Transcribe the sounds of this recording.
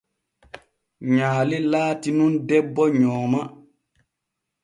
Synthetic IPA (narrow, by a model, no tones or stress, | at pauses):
ɲaːlelaːtinundɛbːɔɲɔːma